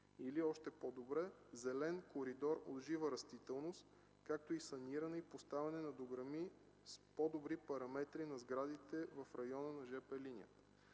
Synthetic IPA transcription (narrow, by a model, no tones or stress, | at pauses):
iliɔʃt̪ɛpod̪obɾɛzɛlɛnkoɾid̪ɔɾo̰d̪ʒivəɾɐst̪it̪ɛlˠnost̪ | kak̚t̪oisɐniɾɐnɛipost̪avɛnɛnɐd̪oɡɾɐmi | spod̪obɾipɐɾɐmɛt̪ɾinɐzɡɾad̪it̪ɛvɐfɾɐjɔnənɐʒɛpɛlinʲiə̰